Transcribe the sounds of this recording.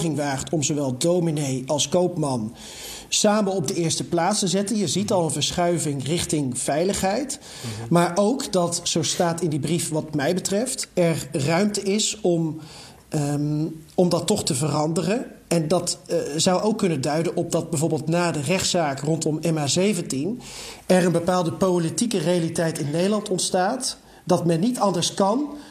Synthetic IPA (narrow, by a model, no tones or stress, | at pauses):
χɪŋʋaːχtɔmzowʋɛlˠdowminejɑlˠskowpmɑn | saːmənɔb̚dəɪːɹstəplaːtstəzɛtənjəzitɑlˠənvəɹsχœɥvɪŋrɪχtɪŋv̥ɛjləχɦɛjt | maːɹʔowkdɑtsowstaːtɪndibrifʋɑtmɛjbətrɛftɛrrœɥmtəɪsɔm | ɔmdɑtːɔχtəvərɑndərənɛndɑtzʌwʔowkːɵnədœɥdənɔp̚dɑd̚bɛjvoːɹbɪːlˠtnaːdərɛχtsaːkrɔntɔmɛmaːzejvəntinɛɹənbəpaːlˠdəpowlitikərejalitɛjtɪnːejdəlɑntɔntstaːt | dɑtmɛnːitɑndəɹskɑn